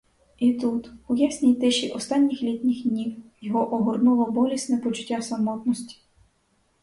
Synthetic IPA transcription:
it̪ut̪ʊjasʲnʲijt̪ɪʃiʔɔst̪ɑnʲːixlʲit̪ʲnʲɪxdʲnʲiwjɔɦɔʔɔɦɔrnulˠɐbɔlʲisʲnɛpɔt͡ʃʊ̥tʲːasɐmɔt̪nɔsʲtʲi̥

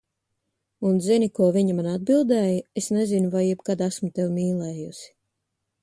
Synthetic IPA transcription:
unzinʲikuɔviɲamanad̪̚bilˠd̪ɛːjesnezinuvajjɛbkad̪æsmut̪ɛwmiːlˠɛːjusi̥

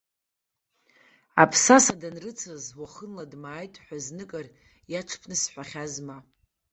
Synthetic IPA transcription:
apʰsasadanrɨt͡sʰazwaχənladmaːjtʼħʷᶣaznɨkʼar | jaʈ͡ʂʰpʰnɨsħʷᶣaχʲazma

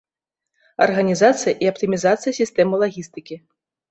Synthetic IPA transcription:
ɐ̰rɣɐnʲizat̪sɨjɐʔiɐpt̪ɨmʲizat̪sɨjɐsʲist̪ɛmɨlˠaɣʲist̪ɨkʲi

